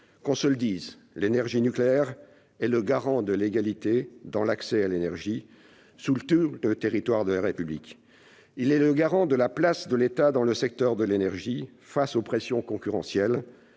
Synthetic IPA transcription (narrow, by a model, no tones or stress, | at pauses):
kɑ̃səld̪iːz | lenɛʁʒinykleɛʁ | ɛləɡaʁɑ̃d̪əleɡalit̪ed̪ɑ̃laksɛalenɛʁʒi | sult̪uʁd̪ət̪eʁit̪waʁd̪əlaʁepyblḭk | ilɛləɡaʁɑ̃d̪əlaplasd̪əlet̪ad̪ɑ̃ləsɛk̚t̪œʁd̪əlenɛʁʒi | fasopχesjɔ̃kɔ̃kʲyʁɑ̃sjɛl